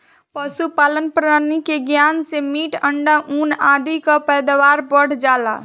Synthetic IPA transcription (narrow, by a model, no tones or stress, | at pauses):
pəsupaːlənpɾəaːɾnikeɡjaːnsemiːʈəɳɖaʔuːnaːd̪ikapɛːd̪aʋaːɾbəɽ̤d͡ʒaːla̰